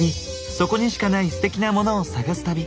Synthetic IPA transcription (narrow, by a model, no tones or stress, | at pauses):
i | so̞ko̞ɲ̟iɕi̥kanaisɨ̥t̪e̞kʲinamo̞no̞ːsaɡasɨ̥t̪abʲi